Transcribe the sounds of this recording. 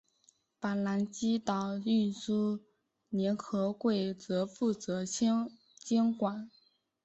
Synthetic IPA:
pa˨˩nla˧˥nt͡ɕi˥t̪ɑ˨˩ʊy˥˩nsu˥ | njɛ˧˥nkʰɤ˧˥kwe˥˩ɪt͡sɤ˧˥fu˥˩t͡sɤ˧˥ | t͡ɕjɛ˥nkwa˨˩˦n

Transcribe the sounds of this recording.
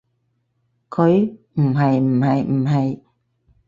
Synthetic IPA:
kʰo˧˦j | m̩˨˩ha˨˩j̩˨˩ha˧˩jm̩˨˩ha˧˩j

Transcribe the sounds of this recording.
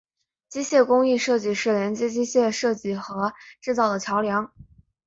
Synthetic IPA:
t͡ɕi˥ɕjɛ˥˩kʊ˥ŋi˥˧ʂɤ˥˧t͡ɕi˥˩ʂɻ̩˥˩ljɛ˧˥nt͡ɕjɛ˥t͡ɕi˥ɕjɛ˥˧ʂɤ˥˧t͡ɕi˥˩xɤ˧˥ʈ͡ʂɻ̩˥˧t͡sɑ˥˩ʊd̪ə˩t͡ɕʰjɑ˧˥ʊljɑ˧˥ŋ

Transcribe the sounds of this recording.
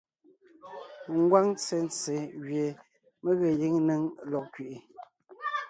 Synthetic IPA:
ŋ̩˦ɡwa˦ŋt͡sɛ˨n˦t͡se˨ɣɥje˨ | mə˦ɣə˨ji˦ŋnə˦ŋ˨˦lɔ˨ʔ̚kɥi˨ʔi˨

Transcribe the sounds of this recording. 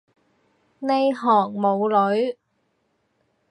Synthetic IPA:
ne˨˧jɦɔː˨˩ŋmo˨˧wlɵ˨˧˥ɥ

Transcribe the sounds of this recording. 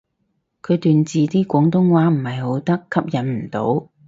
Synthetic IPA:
kʰɵ˨˧jt̪yː˨nt͡siː˨t̪iː˥kʷɔː˨˥ŋt̪ʊ˥ŋwaː˨˥m̩˨˩hɐ˨jho˨˥wt̪ɐ˥kʰːɐ˥p̚jɐ˨˥nm̩˨˩t̪o̰˨˥w

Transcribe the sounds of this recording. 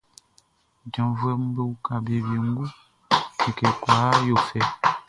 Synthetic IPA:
d͡ʒɔ̃˨vu˦ɛ˦mũ˦be˦wu˦kã˨be˨bi˨ŋ̩˦ɡu˦ | ke˨kɛ˨kwa˨˦jo˨fɛ˨

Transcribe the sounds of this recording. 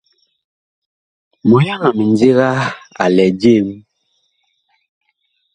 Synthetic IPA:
mo˨ja˦ŋa˨mi˨nd͡zi˦ɣa˦a̰˨lɛ˨d͡ʒe˦m

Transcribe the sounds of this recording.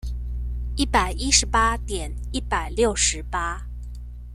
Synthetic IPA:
i˥˩pa˨˩ɪi˥ʂɻ̩˧˥pa˥t̪jɛ˨˩˦ni˥˩pa˨˩ɪljo˥˩ʊʂɻ̩˧˥pa˥

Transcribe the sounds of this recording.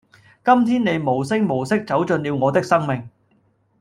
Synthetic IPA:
kɐ˥mt̪ʰiː˥nne˨˧jmo˨˩wsɪ˥k̚mo˨˩wsɪ˥k̚t͡sɐ˨˥wt͡sɵ˧nliː˧wŋɔː˨˧t̪ɪ˥k̚sɐ˥ŋmɪ˨ŋ

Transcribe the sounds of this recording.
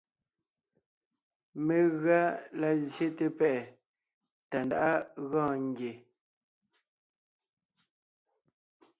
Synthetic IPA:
me˨ɣɰa˦la˨zje˦te˦pɛ˦ʔɛ˨ | ta˨nda̰˨ʔa˦ɣãː˦˨ŋ˦ɡje˨

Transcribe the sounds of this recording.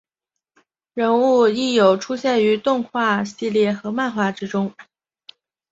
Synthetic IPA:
ɻə˧˥nu˥˧i˥˩jo˨˩ʊʈ͡ʂʰu˥ɕjɛ˥˩ny˧˥t̪ʊ˥˧ŋxwa˥˧ɕi˥˧ljɛ˥˩xɤ˧˥ma˥˧nxwa˥˩ʈ͡ʂɻ̩˥ʈ͡ʂʊ˥ŋ

